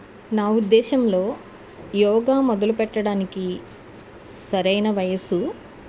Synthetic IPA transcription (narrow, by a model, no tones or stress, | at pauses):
naːud̪ːɛːʃɐmlo̞ː | jɔːɡaːmɔd̪ɐlupɛʈːɐɽaːniki | sɐɾɐjnɐʋɐjɐsu